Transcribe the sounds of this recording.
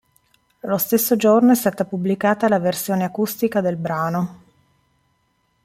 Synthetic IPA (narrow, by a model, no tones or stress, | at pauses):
lost̪esːod͡ʒornoɛst̪aːt̪apublikaːt̪alaversjoːneakust̪ikad̪elbɾaːno